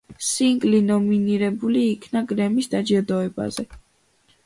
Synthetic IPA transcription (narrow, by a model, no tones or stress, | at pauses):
siŋkʼlinɔminiɾɛbuliːkʰnaɡɾɛmisd̪ad͡ʒɛɾd̪ɔɛba̰zɛ